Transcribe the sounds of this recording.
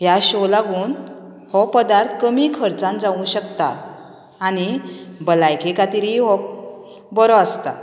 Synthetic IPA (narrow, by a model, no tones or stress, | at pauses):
ɦjaɕɔlaɡuːn | hɔpəd̪aɾt̪ʰkəmikʰəɾt͡sãnd͡zaʋũɕəkt̪aː | nibəlajkʰekat̪iɾɦiɦɔk̚ | bɔɾɔast̪a